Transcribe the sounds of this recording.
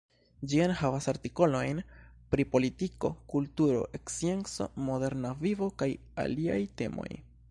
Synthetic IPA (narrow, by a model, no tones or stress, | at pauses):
d͡ʒianhavasaɾtiko̞lo̞jnpɾipo̞litiko̞kultuɾo̞̰ʔe̞ksie̞nt͡so̞̰mo̞de̞ɾnavivo̞kaj | a̰lia̰jte̞mo̞̰j